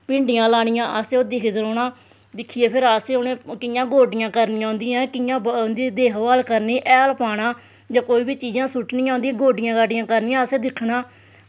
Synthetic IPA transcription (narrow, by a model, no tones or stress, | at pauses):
pɪ̃ːɳɖɪjãːlaːɽɪjãːʔəseoːd̪ɪkʰd͡ʒəɾoːɳaː | d̪ɪkʰːiːeːpʰɪɾaːseoːneːkɪjãːɡoːɖɪjãːkəɾnĩːãːnd̪iːãːkɪjãːd̪iːd̪eːkʋaːlkəɾniːʔɛːəlpaːɽaː | d͡ʒãːkoːiːbiːt͡ʃiːd͡ʒãːsʊʈnĩːãːnd̪iːãːɡoːɖɪjãːkaɖɪjãːkəɾnɪːãːəseːd̪ɪkʰnaː